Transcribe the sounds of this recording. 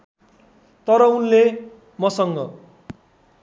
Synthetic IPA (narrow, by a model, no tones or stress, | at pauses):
t̪ʌɾʌunle | mʌsʌŋɡʌ̰